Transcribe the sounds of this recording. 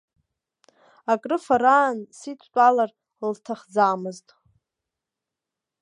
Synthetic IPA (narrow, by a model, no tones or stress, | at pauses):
akʼrɨfaɾaːnsitʷʰt͡pʷʼalar | ltʰaχd͡zaːmɨztʼ